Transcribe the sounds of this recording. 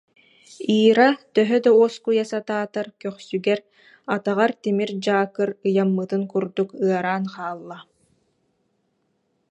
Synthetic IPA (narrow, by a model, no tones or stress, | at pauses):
iːɾat̪œɦœd̪auɔskujasat̪aːt̪aɾkœχsyɡɛɾ | at̪aʁaɾt̪imiɾd͡ʑaːkɯɾɯjamːɯt̪ɯnkuɾd̪ukɯɐɾaːnqaːlˠːa